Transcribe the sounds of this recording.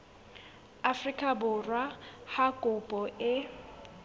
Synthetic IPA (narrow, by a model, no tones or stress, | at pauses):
afrikʼabʊrwahakʼʊpʼɔʔɪ